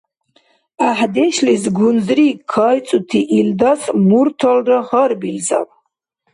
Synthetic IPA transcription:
aħd̪ɛʃlisɡunzrikʰajt͡sʼut̪ʰiʔild̪asmuɾt̪ʰɔlrɨχəɾbilza̰l

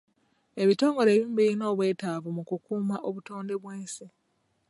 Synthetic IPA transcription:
e̞βito̞ːŋɡo̞ɾe̞ːβiːmbiɾino̞ːβwe̞ːtaːvumukukuːmaʔo̞βuto̞ːnde̞βweːnse

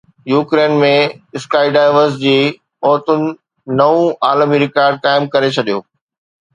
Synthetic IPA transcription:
juːkɾeːnmẽɪskaːɪɖaːɪʋəɾsd͡ʑiː | ɔːt̪ʊnɪ̆ | nɐʋũaːləmiɾɪkaːɾɖ̚kaːɪmkɐɾet͡ɕʰɐɗijoː

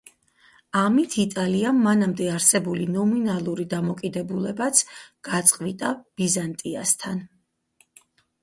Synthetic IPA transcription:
amit̪ʰit̪ʼaliamːanamd̪ɛaɾsɛbulinɔminalˠuɾid̪amɔkʼid̪ɛbulɛbat̪sʰɡ̥at̪sʼqʼvit̪ʼab̥izant̪ʼia̰st̪ʰan

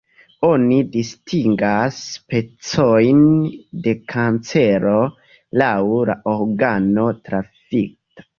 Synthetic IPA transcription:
onidistʰiŋɡaspe̞t͡sojnde̞kʰant͡se̞ɾo̞ | lawla̰ʔoɾɡano̞tɾafik̚tḁ

